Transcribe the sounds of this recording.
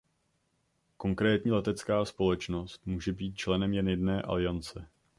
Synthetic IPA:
ko̞ŋkɾɛːt̪ɲiːlɛt̪ɛt͡skaːspo̞lɛt͡ʃno̞st̪muːʒɛbiːt̪̚t͡ʃlɛnɛmjɛnjɛdnɛːʔa̰lɪjant͡sɛ

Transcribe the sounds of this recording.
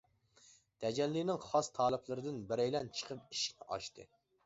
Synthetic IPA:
d̪̥ʰɛd͡ʒɛlːinɪŋχɑst̪ʰɑːlˠɨplˠɨɾɨd̪ɪnbɪɾɛjlɛnt͡ʃʰə̥qʰəp̚i̥ʃkʲnɪʔɑ̰ʃt̪ɨ̰

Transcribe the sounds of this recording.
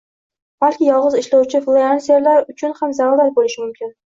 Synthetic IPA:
b̥alkʲɪjɒlˠʁɨzɪʃlawt͡ʃʰɪflˠeansaɾlaɾʊt͡ʃʰʊnhamzaɾaɾaɾ̚bolɪʃɪmʊmkʲɪn

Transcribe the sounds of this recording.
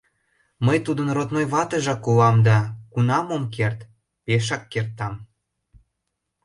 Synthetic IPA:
məjt̪ud̪ənrot̪nojβɑt̪əʒɑkulɑmd̪ɑkunɑmomk̬ert̪ | peʃ̬ɑkːert̪ːɑm

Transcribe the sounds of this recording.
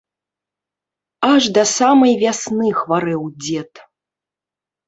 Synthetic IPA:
aʐd̪ɐsamɐjvʲasnɨxvaɾɛwd͡zʲɛt̪

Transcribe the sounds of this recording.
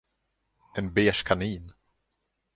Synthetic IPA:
ɛnbeːʂkʰaniːn

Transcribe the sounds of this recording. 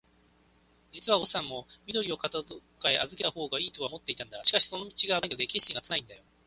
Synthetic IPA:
d͡ʑit͡sɨβao̞sãmːo̞mʲid̪o̞ɾʲio̞kat̪aokaeʔazɨke̞aho̞ːɡaiːt̪oamo̞t̪ːe̞it̪ãnd̪aɕi̥kaɕi̥so̞no̞mʲit͡ɕiɡaaɲiod̪e̞kʲe̞ɕkʲĩŋɡat͡sɨnaĩnd̪ajo̞

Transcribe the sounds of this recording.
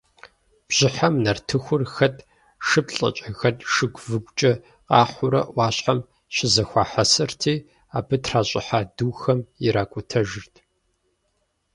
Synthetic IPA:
b̥ʑ̥ɪħamnɐrtʰɨxʷʊrxɐtʰʼ | ʂɨbɬʼɐ̰t͡ʃʼɐɣɐtʼʂɨɡʷvɨɡʷt͡ʃʼɐ | qɑːχʷʊɾɐ̰wɑːɕħam | ɕɪzɐxʷɑːħɐsɨrtʰiː | aːbɨtʰraːɕʼɪħaːduːxɐmɪɾaːkʷʼʊtʰɐʒɪrtʰ

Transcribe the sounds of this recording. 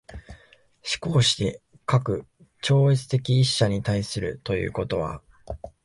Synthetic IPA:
ɕi̥ko̞ːɕi̥d̪e̞ | kakɯ̟ | t͡ɕo̞ːet͡sɨ̥t̪e̞kʲiːɕːaɲ̟it̪aisɨɾɯ̟̰t̪o̞jɯ̟̰ːko̞t̪o̞β̞a̰

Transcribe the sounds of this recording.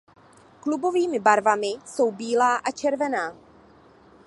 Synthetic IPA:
klubo̞viːmɪbaɾvamɪso̞wbiːlaːʔat͡ʃɛɾvɛnaː

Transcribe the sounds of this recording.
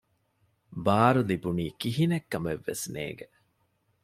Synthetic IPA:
baːɾulibuniːkiɦinekːɐmeʋːḛsnḛːɡe

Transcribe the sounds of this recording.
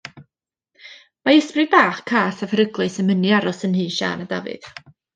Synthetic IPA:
maəsprɨbaːχkʰaːsavəɾəɡlˠɨsəməniaɾɔsənhɨːʃa̰ːnada̰vɨ̰ð̥

